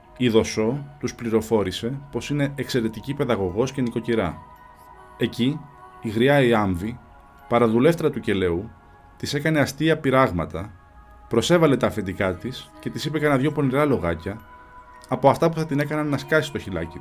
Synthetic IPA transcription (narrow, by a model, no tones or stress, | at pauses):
iðo̞so̞t̪uspliɾo̞fo̞ɾise̞po̞sine̞ːkse̞ɾe̞t̪icipe̞ðɐɣo̞ɣo̞sce̞niko̞ciɾɐ̰ | e̞ciːɣɾiɐiɐɱvi | pɐɾɐðule̞ft̪e̞ɾɐt̪uce̞le̞u | t̪ise̞kɐne̞ɐst̪iɐpiɾɐɣmɐt̪ɐ | pɾo̞se̞vɐle̞t̪ɐːfend̪ikɐt̪isce̞t̪isipekɐnɐðʝo̞po̞niɾɐlo̞ɣɐcɐː | po̞ɐft̪ɐpu̥θɐt̪ine̞kɐnɐnːɐskɐsi̥st̪o̞çilɐ̰ci